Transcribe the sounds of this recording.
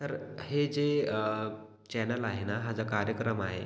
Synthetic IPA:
t̪əɾhed͡ze | t͡ɕɛnəlaɦenaɦad͡zakaɾjəkɾəmaɦḛ

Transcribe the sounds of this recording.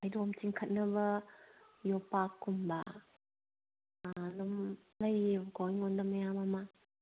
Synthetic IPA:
ajdomt͡ʃiŋkʰɐt̚nɐbɐ | jɔpakːumba | lum | lɐjbɡojŋɔndɐmɐjamama

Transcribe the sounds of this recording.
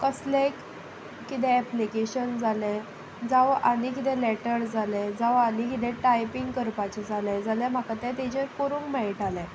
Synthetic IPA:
kəslekː | it̪̬ɛ̃ːplikeɕənd͡zalɛ̃ | d͡zaʋʔanikit̪̬ɛ̃leʈəɾd͡zʱalɛd͡zaʋanikit̪̬ɛ̃ʈajpiŋɡkəɾpat͡ɕed͡zʱalɛd͡zalɛm̤akat̪ɛ̃t̪id͡ʑeɾkoɾũŋkmɛɭiʈʰalɛ̃

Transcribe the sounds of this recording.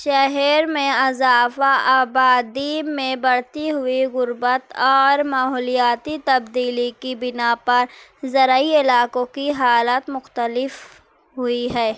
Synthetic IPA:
ʃaɦɛɾmẽɐzaːfaʔaːbaːd̪imẽbɐɽ̤t̪iɦʊiɣʊɾbət̪ɔːɾmaːɦɔːlijaːt̪it̪ɐbd̪iːlikibɪnapɐɾzɐɾaiɪlaːkõkiɦaːlaːt̪mʊxt̪əlɪf | ɦʊiɦɛː

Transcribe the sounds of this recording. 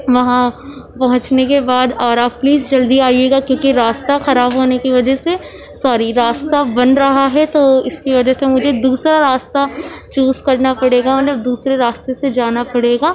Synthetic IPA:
ʋɐɦãpɐɦʊ̃t͡ʃnekebaːd̪ɔːɾabpliːzd͡ʒɐld̪iaːieːɡakjõːkiɾaːst̪axɐɾaːbɦoːnekiʋɐd͡ʒəɦse | saːɾiɾaːst̪abɐ̃nɾɐɦaɦɛt̪oɪskiʋɐd͡ʒəɦsemʊd͡ʒʱed̪uːsɾaɾaːst̪at͡ʃuːzkɐɾnapɐɽeːɡamɐt̪ləb̚d̪uːsɾeɾaːst̪esed͡ʒaːnapɐɽeːɡaː

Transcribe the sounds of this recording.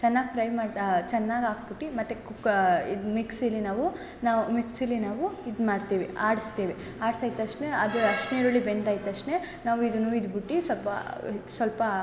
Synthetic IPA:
t͡ʃɛnːaːɡpɾɐjmaːɽt͡ʃɛnːaːɡaːk̚biʈːimɐt̪ːekukḭd̪miksɐlːinaːʋu | naːumiksɐlːinaːʋuid̪maːɖt̪iːʋia̰ːɽist̪iːʋi | aːɽsaːjit̪ɐʂʈneɐd̪uɐʂʈnejɐɭːibend̪aːjt̪ɐʂʈneː | naːʋuid̪ɐnːuːid̪biʈːisʋɐlpɐ̰sʋɐlpɐ

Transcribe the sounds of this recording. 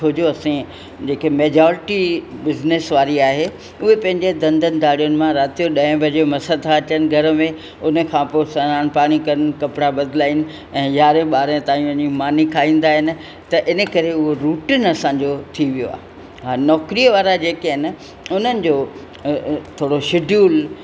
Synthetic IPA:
tʰoːd͡ʑoɐsẽ | d͡ʑeːkemeːd͡ʑɔːɾɪʈibɪznesʋaːɾiaːɦe | ʊɦepɐ̃ɦɪ̃ɲd͡ʑed̪ɐ̃nd̪ʱənɪ̆d̪aːɽijʊnɪ̆mãɾaːt̪ijoɗɐ̃ːɪ̃bʱɐd͡ʑemɐsəd̪ʰaɐt͡ɕənɪ̆ɡʱɐɾə̆mẽ | ʊnə̆kʰãːpoːsɐnaːnpaːɽ̃ikɐɾənɪ̆kɐpɪɽabɐd̪ɪlaːinɪ̆ | ɛ̃ːjaːɾẽɓaːɾẽt̪ãːĩʋɐɲimaːnikʰaːĩːnd̪aːɦɪnɪ̆ | t̪ɐʔɪnə̆kɐɾeʊɦoɾuːʈɪnɐsãːɲd͡ʑot̪ʰiʋijo̰a̰ːɦe | ɦaːnɔːkɾijəʋaːɾad͡ʑeːkeɦɪn̆ | ʊnənɪ̆d͡ʑoː | t̪ʰoːɽoʃɪɖʱjuːl

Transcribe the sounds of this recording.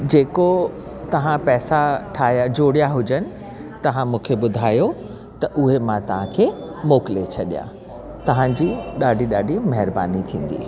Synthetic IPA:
d͡ʑeːko | t̪ɐʋ̤ãpɛːsaʈʰaːɦjad͡ʑoːɽijaɦʊd͡ʑənɪ̆ | t̪ɐʋ̤ãmũːkʰeɓʊd̪ʱaːjo | t̪ɐʔʊɦemãt̪ɐʋ̤ãkʰeːmoːkɪlet͡ɕʰɐɗija̰ː | t̪ɐʋ̤ãd͡ʑiːɗaːɖʱiɗaːɖʱimɐɦɪɾba̰ːnit̪ʰĩːn̆d̪ḭː

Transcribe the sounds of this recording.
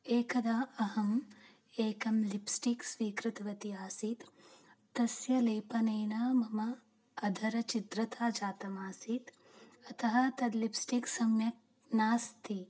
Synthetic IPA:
eːkɐd̪aːɐɦɐm | eːkɐmlipsʈiksʋiːkɾɪt̪ɐʋɐt̪iaːsit̪ː | ɐsjɐlɐjpɐnɐjnaːmɐmɐː | d̪ʱɐɾɐt͡ʃit̪ɾɐt̪ʰaːd͡ʒaːt̪ɐmaːsit̪ | ɐt̪ʰɐɦɐt̪ɐd̪lipsʈiksɐmjɐk̚ | naːst̪ʰi

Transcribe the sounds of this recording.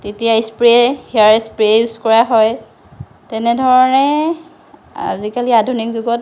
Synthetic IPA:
tetijajspɹɛhiaɹɛspɹiɛjuskɔɹaɦɔj | tɛnɛdʱɔɹɔnɛ | a̰zikaliadʱunikzuɡɔt

